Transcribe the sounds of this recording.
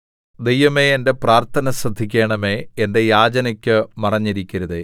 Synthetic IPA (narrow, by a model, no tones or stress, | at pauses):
d̪ejʋɐme̞ende̞praːrt̪ʰɐnɐsrɐd̪ʱikʲːeːɳɐme̞ːende̞jaːd͡ʑɐnɐkʲːɨmɐrɐɲːiɾikʲːɐɾuðe